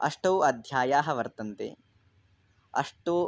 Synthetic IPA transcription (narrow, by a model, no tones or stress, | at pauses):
ɐ̰ʂʈɐːɐd̪ʱjaːjaːɦɐʋɐɾt̪ɐnt̪ḛː | ɐ̰ʂʈoː